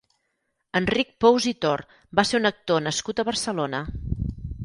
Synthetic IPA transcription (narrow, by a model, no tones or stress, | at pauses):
ənrik̚powzit̪or | baseɾunək̚t̪onəskut̪əβərsəlonə